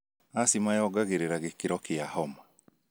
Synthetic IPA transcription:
asimajɔɡaɣeɾeɾaɣekiɾɔkeahɔma

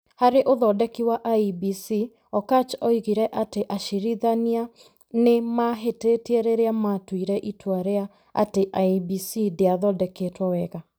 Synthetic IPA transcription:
haɾeʔoðɔdɛkiwaʔaibisi | ɔkat͡ʃɔiɣiɾɛʔateʔaʃiɾiðania | nemaɦeteteɛɾeɾeamatwiɾɛʔitwaɾea | a̰teʔaibisideaðɔdɛketwawɛɣa

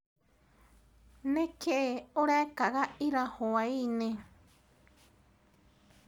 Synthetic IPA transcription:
nẽkeʔeoɾaekaɣaiɾahoainẽ

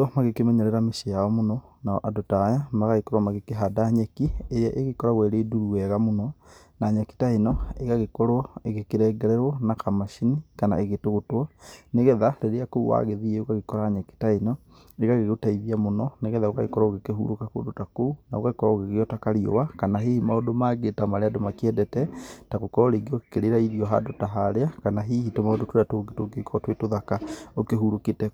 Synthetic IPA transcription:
ɔmaɣekemɛɲɛɾɛɾameʃejaɔmonɔnaɔʔadotaːjamaɣaɣekɔɾwamaɣekeɦadaɲɛkiejɛʔeɣekɔɾaɣwɛɾeːduɾuɛɣamonɔ | naːɲaki̥tainɔeɣaɣekɔɾɔeɣekeɾɛːɡɛɾɛɾwɔnakʰamaʃinikana̰eɣetoɣotwɔneɣɛðaɾeɾeakouwa̰ːɣeðiɛoɣaɣekɔɾaːɲɛki̥tainɔ | eɣaɣeɣotaiðiamonɔneɣɛðaokaɣekɔɾaoɣekeɦṵɾokako̰ːdotakounaokaɣekɔɾaoɣeɣeɔtakaɾio̰wakanaɦihimaodomaːɡetamaɾeadomakeɛdɛtɛtaɣokɔɔɾeɡeokekeɾeɾaiɾiɔɦa̰dotaɦaɾeakanaɦihitomaodotweɾatoɡetoɡekʰɔtwetoðakaokeɦuɾoketɛ

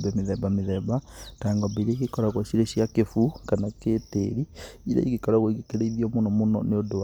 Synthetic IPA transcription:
bɛmeðɛbameðɛbataŋɡɔbeiɾeiɣekɔɾaɣwɔɕiɾeɕijakefukanakeːteɾiiɾḛiɣekɔɾaɣoiɣekeɾeiðiɔmonɔmonɔ̰neodowa

